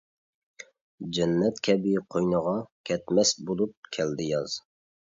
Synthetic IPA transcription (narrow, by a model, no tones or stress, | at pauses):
d͡ʒɛnːɛt̪kʲʰɛbɪqʰojnəʁɑkʲʰɛt̪mɛsbolˠup̚kʲʰɛld̪ɪjɑz̥